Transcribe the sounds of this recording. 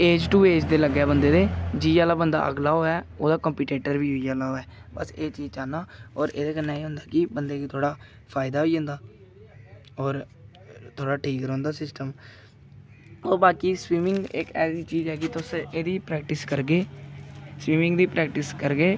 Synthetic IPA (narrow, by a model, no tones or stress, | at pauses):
eːd͡ʒʈuːeːd͡ʒd̪eːləɡːɛːbənd̪eːd̪eːd͡ʒiːaːlaːbənd̪a̰ːʔə̰ɡlaːɦoːɛːoːd̪aːkəmpiːʈeːʈəɾʋiːɦʊiːaːlaːɦoːɛːbə̰seːt͡ʃiːzt͡ʃaːnaːɔːɾḛːd̪eːkəneːeːɦʊ̃nd̪aːkɪbənd̪eːkit̪ʰoːɽaː | pʰaːɪd̪aːɦoiːɦʊ̃nd̪aː | ɔːɾ | t̪ʰoːɽaːʈʰiːkɾɦõːnd̪aːsɪsʈəm | ɔːɾbaːkiːswiːmɪ̃ŋɡɪkɛːsiːt͡ʃiːd͡ʒɦɛːkɪt̪ʊseːd̪iːpɾɛːk̚ʈɪskəɾɡeː | swiːmɪ̃ŋɡd̪iːpɾɛːkʈɪskəɾɡeː